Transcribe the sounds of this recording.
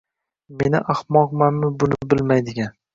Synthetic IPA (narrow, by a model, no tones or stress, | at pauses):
me̞nɪʔahmɒqmanmɪbʊnɪbɪlmajd̪ɪɡʲan